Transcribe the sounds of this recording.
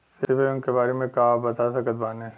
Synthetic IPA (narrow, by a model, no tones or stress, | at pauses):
sɪɪʋeʊnkebaːɾemẽkaːbɐt̪asɐkət̪baːne